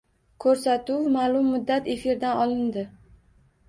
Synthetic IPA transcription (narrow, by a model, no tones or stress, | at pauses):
kʰɵɾsat̪ʊwmalˠʊmːʊd̪ːat̪e̞fiɾd̪anɒlˠɪnd̪ɪ